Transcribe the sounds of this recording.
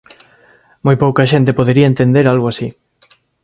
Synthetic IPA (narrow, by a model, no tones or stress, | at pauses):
mojpowkɐʃent̪epoðeɾiɐent̪end̪eɾalɣoasi